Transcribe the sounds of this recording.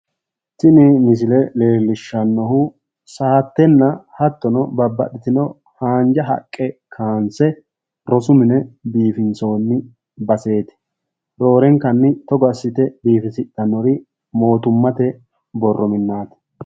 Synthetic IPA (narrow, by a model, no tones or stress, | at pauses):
sɪnɪmɪs̬ɪlɛle̞ːlːɪʃːɐnːɔhʊ | saːt̪ːɛnːɐhɐt̪ːɔnɔbɐbːɐ̰ɗɪt̪ɪnɔ | haːnd͡ʒɐɦɐ̰kʼːɛkʰaːnsɛ | ɾɔsʊmɪnɛbiːfɪnt͡so̞ːnːɪ | bɐse̞ːt̪ɪ̥ | ɾo̞ːɾɛŋkɐnːɪt̪ɔɡɐsːɪt̪ɛbiːfɪsɪt̪ʼːɐnːɔɾɪ | mo̞ːt̪ʊmːɐt̪ɛ | bɔrːɔmɪnːaːt̪ɪ̥